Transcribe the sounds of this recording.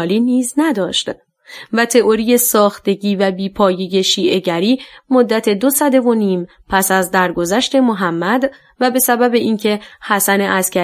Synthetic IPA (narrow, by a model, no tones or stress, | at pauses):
liːniːznæd̪ɒːʃt̪ | væt̪ʰe̞ʔo̞ɾije̞sɒːxt̪e̞ɟiːvæbiːpʰɒːjeje̞ʃiːʔe̞ɟæɾiːmo̞d̪ːæt̪ʰe̞d̪o̞sæd̪e̞vo̞niːm | pʰæsæzd̪æɾɡo̞zæʃt̪e̞moɦæmːæd̪ | væbe̞sæbæbe̞ʔiːncʰe̞hæsæne̞ʔæscʰæ